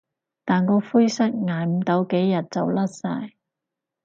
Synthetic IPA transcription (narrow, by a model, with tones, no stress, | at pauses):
t̪aː˨nkɔː˧fuː˥jsɐ˥k̚ŋaː˨jm̩˨˥t̪ɐ˨˧˥wke˨˥jːɐ˨t̚t͡sɐ˨wlɐ˥t̚sa̰ː˧j